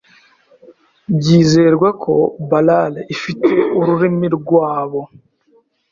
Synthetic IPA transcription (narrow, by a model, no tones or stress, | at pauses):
bɟiːze̞ɾɡwakʰo̞̰balalifite̞uɾuɾimiɾɡwaːβo̞